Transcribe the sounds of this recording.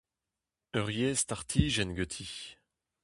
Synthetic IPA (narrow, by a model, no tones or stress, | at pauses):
œʁjest̪aʁt̪ʰiʒɛnɡøt̪ʰi